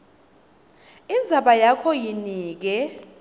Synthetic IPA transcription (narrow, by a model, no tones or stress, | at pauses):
ind͡zʱaɓajakʰɔjiniːk̬ɛ